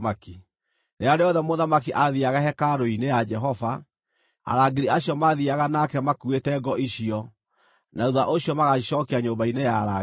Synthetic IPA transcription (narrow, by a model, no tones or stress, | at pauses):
maki | ɾeaɾeɔðɛmoðamakiʔaðiaɣaɦɛkaɾoinejad͡ʒɛɦɔva | a̰ɾaɡeɾiaɕjɔmaðiaɣanakɛmakuetɛɡɔʔiɕiɔ | nauðaʔoɕjɔmaɣaɕɔːkeaɲobainejaɾa